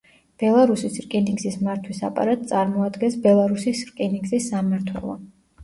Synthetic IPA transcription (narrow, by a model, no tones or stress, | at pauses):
b̥ɛlˠaɾusisɾkʼɛniŋɡzismaɾt̪ʰwisa̰pʼa̰ɾat̪̚ʼt̪sʼaɾmɔad̪ɡɛnsbɛlˠaɾusisɾkʼɛniɡzisːamaɾt̪ʰwɛ̰lˠɔ̰